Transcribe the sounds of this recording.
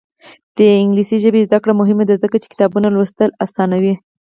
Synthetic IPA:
d̪̥əɪŋɡlisiʒəbezd̪akɽamʊɦɪmad̪azəkat͡ʃe̥kɪ̥t̪ɑbunalwəst̪əlasɑnawi

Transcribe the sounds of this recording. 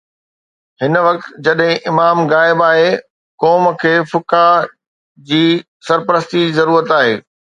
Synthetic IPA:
ɦɪnʋɐk̚t̪d͡ʑɐɗɦɪ̃ʔɪmaːmɣaːɪbaːɦe | kɔːm̆kʰeːfʊka | d͡ʑiː | sɐɾpəɾəst̪id͡ʑizɐɾuːɾət̪aːɦḛː

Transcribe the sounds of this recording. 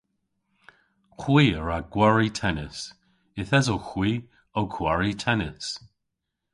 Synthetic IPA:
xwiːəɹaɡwaɹitʰɛnəs | ɪθɛzoxwiː | okʰwaɹitʰɛnəs

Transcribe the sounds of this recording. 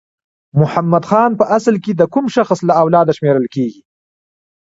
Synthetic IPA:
mʊhamːad̪xɑːnpəʔaslked̪əkʊmʃaxslaawlɑːd̪aʃmeːɾəlkeːɡi

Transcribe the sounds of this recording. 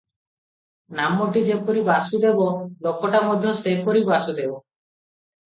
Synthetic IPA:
namoʈid͡ʒepoɾibasud̪ebɔlokɔʈamɔd̪ʱjɔsepoɾibasud̪ebɔ

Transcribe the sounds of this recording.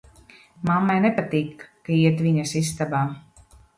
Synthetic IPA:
mamːajnɛpat̪iːkːaiɛt̪viɲɐsist̪abaː

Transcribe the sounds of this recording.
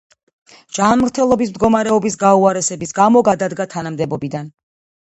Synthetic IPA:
d͡ʒ̥anmɾt̪ʰɛlˠɔbismd̪ɡɔmaɾɛɔbisɡauaɾɛsɛbisɡamɔɡad̪ad̪ɡat̪ʰanamd̪ɛbɔbid̪an

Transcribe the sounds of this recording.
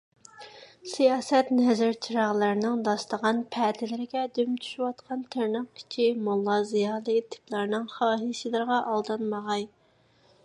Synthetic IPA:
sijɑːsɛt̪nɛzɪɾt͡ʃʰiɾɑʁlˠɨɾnɨŋd̪ɑslˠəʁɑnpʰɛt̪ʰɪlɪɾɪɡʲɛd̪ymt͡ʃ̪ʰy̥ʃywɑt̪qʰɑnt̪ʰeɾnɨqkʲʰi̥t͡ʃʰimulˠːɑzijɑːlˠɨt̪ʰɪ̥plˠɑɾnɨŋχɑːɦisɪlˠɨɾʁɑʔɑlˠd̪ɨnmɑʁɑj

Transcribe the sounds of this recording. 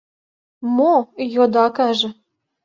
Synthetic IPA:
mojod̪ɑkɑʒɤ̆

